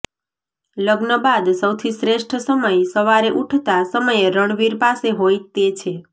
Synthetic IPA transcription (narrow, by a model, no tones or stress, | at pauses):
ləɡnəbad̪səwt̪ʰisɾeʂʈʰsəməjsəʋaɾeʔuʈʰt̪asəməjɾəɳ̃ʋiɾpaseɦojt̪et͡ʃʰe